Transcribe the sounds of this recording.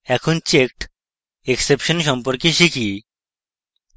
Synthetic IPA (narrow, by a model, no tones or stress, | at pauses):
ɛkʰont͡ɕekʈ | eksepʃonʃɔmpoɾkeʃikʰi